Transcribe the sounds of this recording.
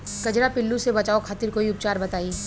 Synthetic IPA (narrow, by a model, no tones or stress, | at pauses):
kɐd͡ʒɾapɪlːusebɐt͡ʃaːokʰaːt̪ɪɾkoːiʊp̚t͡ʃaːɾbɐt̪aːiː